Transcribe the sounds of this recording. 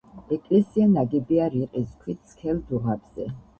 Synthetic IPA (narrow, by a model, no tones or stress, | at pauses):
ɛkʼlɛsianaɡɛbiaɾiqʼiskʰwit̪sʰkʰɛld̪uʁab̥z̥ɛ̰